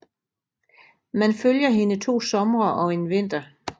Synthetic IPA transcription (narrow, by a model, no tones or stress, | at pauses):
mænføljɐɦe̝nət͡sʰo̝̰ːsɒ̽mʁɐʔɒ̽e̝nʋe̝n̰d̥ɐ